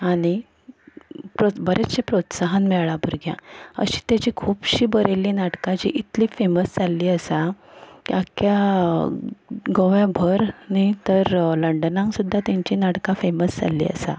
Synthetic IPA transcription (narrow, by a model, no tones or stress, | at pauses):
aɽ̃i | pɾobʱəɾʔet͡sɕepɾot̪saɦənmɛɭɭabʱuɾɡjã̰ə̰ɕi̥ːt̪jat͡ɕikʰuːbɕiːbəɾelinaʈkãd͡ʑḭʔit̪liːfeməsd͡zalːiːəsa | akja | ɡoʋjãbʱəɾnit̪əɾləɳɖənãŋksud̪ʱːat̪jãɲt͡ɕinaʈkãfeməsd͡za̰lːḭːə̰sa̰